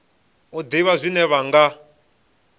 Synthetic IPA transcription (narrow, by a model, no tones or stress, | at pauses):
ud̪iβazʷinɛβaŋɡa